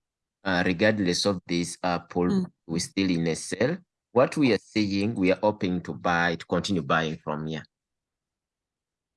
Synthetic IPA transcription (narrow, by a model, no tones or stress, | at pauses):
aɹiɡadlɛsɔvðisapʰɔlwistilĩnɛsɛl | wɔtʰwiasiĩŋwiaʔopɪ̃ŋtʰubaɪtu̥kɔ̃ntĩnjubajĩŋfɹɔ̰̃mi